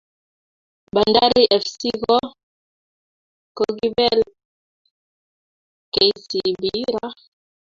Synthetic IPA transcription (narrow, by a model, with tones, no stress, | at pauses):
ɓa˨nda˦ɾi˦ʔɛ˨fsi˦ɣɔ˦ | kɔ˨ɣi˦bɛ˦l | kɛ˨si˨biɾa˦